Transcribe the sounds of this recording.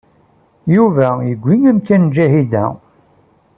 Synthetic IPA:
juvæjəɡʷːiŋæmkːænd͡ʒæhid̪æ̰

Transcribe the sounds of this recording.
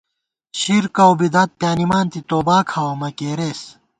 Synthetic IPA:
ɕiɾkɐwbid̪ɐt̪̚pjaːnimaːnt̪it̪oːbaːkʰɐwomɐkeːɾeːs

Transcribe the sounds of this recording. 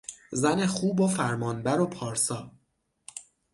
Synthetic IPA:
zæne̞xuːbofæɾmɒːnbæɾo̞pʰɒːɾsɒː

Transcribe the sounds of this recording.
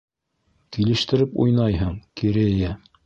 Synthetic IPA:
kilɘ̆ʃt̪ɘ̆ɾɘpṵjnɑjɦɤɴkiɾɘjæ

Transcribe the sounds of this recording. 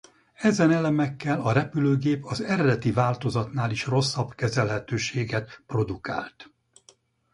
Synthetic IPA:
ɛzɛnɛlɛmɛkːɛlɒɾɛpyløːɡeːpɒzɛɾɛd̪ɛt̪ivaːlt̪o̞zɒt̪naːliʃro̞sːɒbkɛzɛlɦɛt̪øːʃeːɡɛt̪pro̞d̪uka̰ːlt̪

